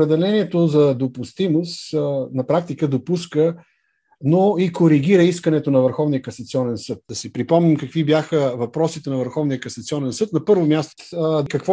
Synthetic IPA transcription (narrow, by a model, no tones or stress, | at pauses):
ɾɛd̪ɛlɛniɛt̪ozɐd̪opʊst̪imosnɐpɾak̚t̪ikəd̪opuskə | noikoɾiɡ̟iɾəiskənɛt̪onɐvəɾxɔvnijəkɐsɐt̪siɔnɛnsɤt̪̚d̪ɐsɛpɾipɔmnimkɐkvibjaxəvɐpɾɔsit̪ɛnɐvəɾxɔvnijəkɐsɐt̪siɔnɛnsɤt̪nɐpɤɾvomʲjast̪kɐkvɔ